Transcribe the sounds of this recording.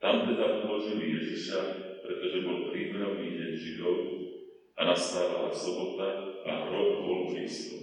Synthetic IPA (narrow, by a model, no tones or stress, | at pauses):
t̪amt̪ɛd̪aʔud̪lɔʒilijɛziʃapɾɛt̪ɔʒɛbɔlpɾiːmɛɾɔʊniːɟɛɲʒid̪ɔʊ | anast̪aːʋa̰la̰sɔbɔt̪aaɦɾɔɔlɔʒiːsɔ